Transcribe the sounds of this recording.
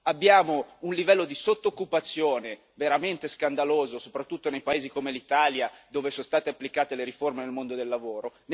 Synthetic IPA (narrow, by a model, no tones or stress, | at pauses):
abːjaːmounlivɛlːod̪isot̪ːokːupat̪sːjoːne | veɾament̪eskand̪aloːzosopɾat̪ːut̪ːonejpaeːzikomelit̪aːljad̪oːvesoːnst̪aːt̪eapːlikaːt̪eleɾiformenelmond̪od̪elːavoːɾon